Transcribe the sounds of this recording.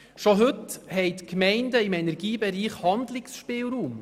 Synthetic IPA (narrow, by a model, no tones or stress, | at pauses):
ʃoɦɵthɛɪtkmɛɪndəɪmɛnɛɾɡiːbɛɾiːχhɑnd̪lɪksʃpɪːlɾuːm